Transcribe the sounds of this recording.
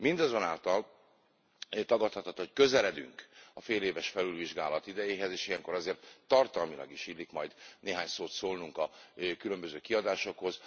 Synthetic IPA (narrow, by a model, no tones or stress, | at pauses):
mind̪ɒzonaːlt̪ɒl | t̪ɒɡɒt̪hɒt̪ot̪hockø̞zɛlɛd̪y̰ŋkɒfeːleːvɛʃfɛlylviʒɡaːlɒt̪id̪ɛjeːɦɛzeːʃijɛŋko̞ɾɒzeːrt̪ːɒrt̪ɒlmilɒ̰ɡiʃilːikmɒjd̪neːɦaːɲsoːt̪soːlnuŋkɒkylø̞mbø̞zøːkiɒd̪aːʃo̞kho̞z